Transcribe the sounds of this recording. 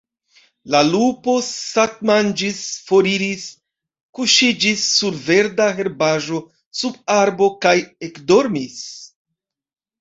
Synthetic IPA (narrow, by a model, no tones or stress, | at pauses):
lalupo̞sat̚mand͡ʒisfo̞ɾiɾis | kuʃid͡ʒisːuɾve̞ɾdaɦe̞ɾbaʒo̞ | sub̚aɾbo̞kaje̞kdo̞ɾmis